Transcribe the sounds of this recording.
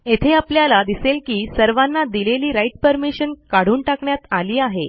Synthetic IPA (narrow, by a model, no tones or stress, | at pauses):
et̪ʰeapljalad̪iselkiːsəɾʋanːad̪ileliːɾaiʈ̚pəɾmiɕənkaɽ̤uːnʈakɳjat̪aliːaɦe